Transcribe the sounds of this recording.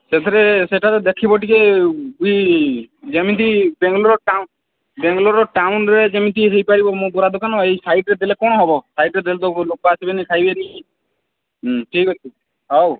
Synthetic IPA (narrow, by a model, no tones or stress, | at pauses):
set̪ʰɔɾeseʈaɾɔd̪ekʰibɔʈikebui | d͡ʒemit̪ibeŋɡlɔɾɔʈa | beŋɡlɔɾɔʈawnɾed͡ʒemint̪iɦejpaɾibɔmũbɔɾad̪ɔkanɔejsajʈɾed̪elekɔñɔɦɔbɔsaiʈɾed̪elet̪olok̚ɔasibenikʰajbeɾi | ʈʰikɦɔt͡ʃʰi | ɦɔw